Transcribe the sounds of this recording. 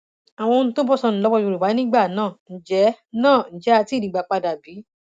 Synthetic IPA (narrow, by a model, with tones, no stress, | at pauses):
a˨w̃ɔ̃˧nũ˦to˦bɔ˦sɔ̃˧nũ˨lɔ˦wɔ˧o˧˨ɾu˨ba˨˦ĩ˦ɡ͡ba˦˨nãː˦˨n̩˨d͡ʒɛ˨˦ | nãː˦˨n̩˨d͡ʒɛ˨˦a˧ti˦˨ĩ˨ɡ͡ba˨˧˨k͡pa˧da˨bi˨˦